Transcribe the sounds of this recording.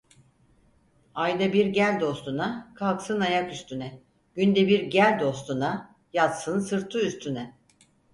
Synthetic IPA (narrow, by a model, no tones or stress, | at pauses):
ajd̪abiɾɟælʲd̪o̞st̪unakʰalˠksɯnajakyst̪ʰynɛ | ɟ̥ynd̪ɛbiɾɟælʲd̪o̞st̪una | jat̪sɯnsɯɾt̪ʰuyst̪ʰynɛ